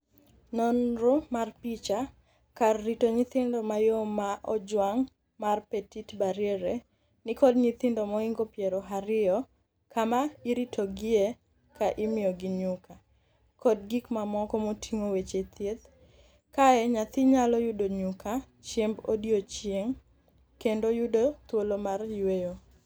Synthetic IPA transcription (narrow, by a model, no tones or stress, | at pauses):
nɔnɾʊmarpit͡ʃa | karːitoɲɪt̪ɪndɔmajomaʔɔd͡ʒwaŋ | marpetitbaɾjeɾe | nɪkɔd̚ɲɪt̪ɪndomɔiŋɡopjeɾɔɦaɾɪɔ | kamaiɾitʰoɡɪe | kaʔɪmɪjɔɡɪɲʊka | kɔdɡikmamɔkɔmotʰiŋowet͡ʃet̪jet̪ | kaɛɲat̪ɪɲalɔjʊdoɲuka | t͡ʃjembodjot͡ʃjeŋ | kendojudot̪wolomarjwejo